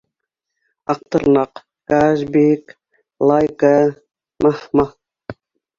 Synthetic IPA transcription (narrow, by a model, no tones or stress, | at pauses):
ɑq̚t̪ɤɾnɑq | kaʒbek | lˠajka | mahma